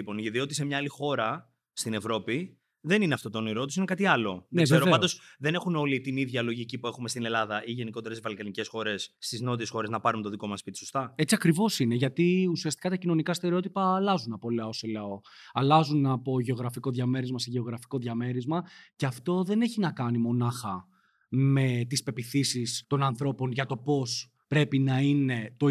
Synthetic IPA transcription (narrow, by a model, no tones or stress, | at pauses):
ipo̞nʝɐt̪iot̪ise̞mɲɐɐlixo̞ɾɐ | st̪ine̞vɾo̞pi | ðe̞nineɐft̪o̞t̪oniɾo̞t̪usinekɐt̪iɐlo̞ðneseɾoveɐnd̪osðe̞ne̞xuno̞lit̪iniðʝɐlo̞ʝicipue̞xumest̪ine̞lɐðɐʔiʝe̞nikot̪eɾesivɐlkɐnice̞sxo̞ɾe̞sːt̪izno̞t̪ie̞sxo̞ɾe̞znɐpɐɾunt̪oðiko̞mɐspit̪isost̪ɐe̞t͡siɐkɾivo̞sine̞ʝɐt̪iusiɐst̪i̥kɐt̪ɐcino̞nikɐst̪e̞ɾeo̞t̪ipɐːlɐzunɐpo̞leoseleo̞ | ɐlɐzunɐpo̞ʝe̞o̞ɣɾɐfiko̞ðʝɐme̞ɾizmɐse̞ʝe̞o̞ɣɾɐfi̥ko̞ðʝɐme̞ɾizmɐceɐft̪o̞ðe̞ne̞çinɐkɐnimo̞nɐxɐ | me̞t̪ispe̞piθisist̪o̞nɐnθɾo̞po̞nʝɐt̪o̞po̞s | pɾe̞pinɐine̞t̪o̞